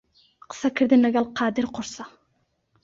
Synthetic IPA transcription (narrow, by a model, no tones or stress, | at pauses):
qʰə̥sɑkʲʰɪɾd̪ɪnaɡʲalˠqʰɑːd̪ɪɾqʰʊɾsɑ